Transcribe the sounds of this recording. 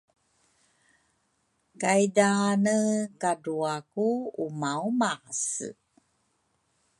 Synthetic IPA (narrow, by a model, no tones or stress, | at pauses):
kajdanəkaduakuumawmas